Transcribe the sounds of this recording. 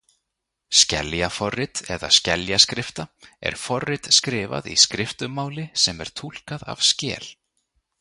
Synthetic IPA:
scɛljafɔrːɪt̪ɛðascɛljaskɾɪft̪aɛ̰ɾ̥fɔrːɪt̪skɾɪːva̰ðiskɾɪft̪ʏmːaːwlɪsɛmɛɾ̥t̪ʰul̥kaða̰v̥scɛːl

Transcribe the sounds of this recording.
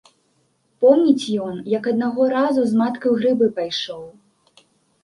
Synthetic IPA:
pɔmnʲit͡sʲjɔnjɐkɐd̪̚naɣɔɾazuzmat̪kɐwɣɾɨbɨpajʂɔw

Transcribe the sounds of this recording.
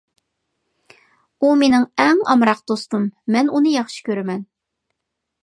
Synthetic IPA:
umenɪŋɛŋɑ̰mɾɑq̚d̪̥ost̪umːɛnunɨjɑχʃi̥kʲøɾɪmɛn

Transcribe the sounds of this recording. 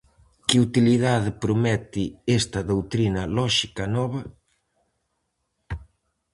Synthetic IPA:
kɪut̪iliðaðepɾomɛt̪ɪest̪ɐðowt̪ɾinɐlɔʃikɐnɔβɐ

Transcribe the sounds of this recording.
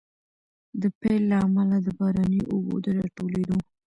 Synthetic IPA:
d̪əpelːaːmalad̪əbɑɾanəjʔobo̰d̪əɾɑʈoled̪o

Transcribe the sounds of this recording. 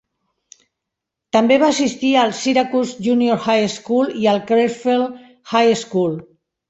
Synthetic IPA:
t̪ambeβaːsist̪iəlˠsiɾakuzʒunioɾxajskuliəlˠkɾefel | xajeskul

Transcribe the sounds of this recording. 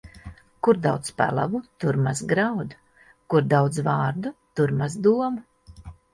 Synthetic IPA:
kuɾd̪awt̪spa̰lˠa̰vut̪uɾmazɡɾawd̪ | kuɾd̪awd̪zvaːɾd̪ut̪uɾmazd̪uɔma

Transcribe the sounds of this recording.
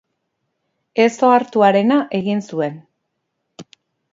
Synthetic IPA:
e̞so̞aɾt̪uaɾe̞naʔe̞ɣinsue̞n

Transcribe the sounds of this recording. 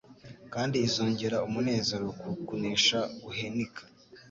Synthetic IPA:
kaːndiːzoːɲɟeɾaumune̞ːnzeɾokukuniːʃaɡuhenikʰḁ

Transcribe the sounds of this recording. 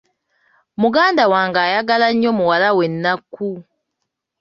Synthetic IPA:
muɡaːndawaːŋɡaːjaɡalaɲːo̞muwalawe̞nːakːu

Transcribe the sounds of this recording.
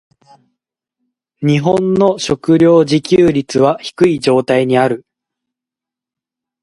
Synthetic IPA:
ɲ̟iɦõ̞nːo̞ɕo̞kɯ̟ɾʲjo̞ːʑikʲɨːɾʲit͡sɨβaçi̥kɯ̟id͡ʑo̞ːt̪aiɲ̟iaɾɯ̟

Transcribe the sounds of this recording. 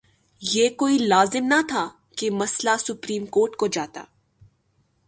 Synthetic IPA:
jeːkoːilaːzɪmnɐt̪ʰa | kemɐslasʊpɾiːmkoːɾʈkod͡ʒaːt̪a̰ː

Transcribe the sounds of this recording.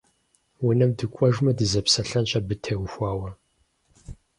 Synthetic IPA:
wʊnɐmdɨkʷʼɔʒmɐdɨzɐpsɐɬɐnɕʼɐbɨtʰɐwxʷaːwɐ

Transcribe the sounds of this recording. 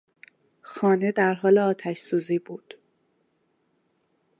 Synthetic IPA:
xɒːne̞d̪æɾɦɒːleɒːt̪ʰæʃsuːziːbuːd̪̥

